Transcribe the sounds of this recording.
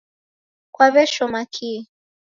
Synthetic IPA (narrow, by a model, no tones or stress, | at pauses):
kwaβɛʃɔmakʰi